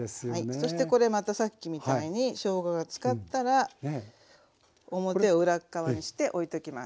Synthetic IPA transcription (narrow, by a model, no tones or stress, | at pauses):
eaiso̞ɕi̥t̪e̞ko̞ɾe̞mat̪asakʲːimʲit̪aiɲ̟iɕo̞ːɡaɡat͡sɨ̥kat̪ːaɾa | o̞mo̞t̪e̞oɯ̟ɾakːaβaɲ̟iɕi̥t̪e̞ʔo̞it̪o̞kʲima̰s